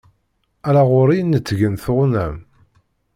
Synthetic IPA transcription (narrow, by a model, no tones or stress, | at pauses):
æɾaʁʊɾijənːət͡sːʝənθoʁnæm